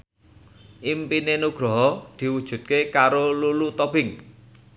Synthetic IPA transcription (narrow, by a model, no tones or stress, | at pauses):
ʔimpinenuɡ̥ɾɔ̤ɦɔd̪̥i̤wud̥ʒ̥ṳt̪̚kekaɾolulut̪ɔb̥ɪŋ